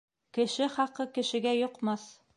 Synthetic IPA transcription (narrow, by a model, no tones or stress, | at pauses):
kɘ̆ʃɘχɑqɤkɘ̆ʃɘ̆ɡæjŏqmɑs